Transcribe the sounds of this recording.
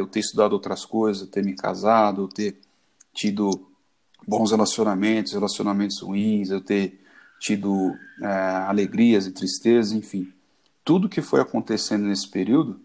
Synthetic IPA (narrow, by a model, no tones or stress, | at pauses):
ewt̪eist̪ud̪ad̪ʊowt̪ɾɐskojzɐzewt̪eɾmɪka̰zad̪ʊewt̪eɾ | t͡ʃid̪ʊ | bõshelasionamẽnt̪ʊshelasionamẽnt̪ʊz̥hṵĩzewt̪e | t͡ʃid̪ʊɛaleɡɾiɐzɪt̪ɾist̪ezɐẽfĩ | t̪ud̪ʊkɪfojakõnt̪esẽnd̪ʊnesɪ̥peɾiwd̪ʊ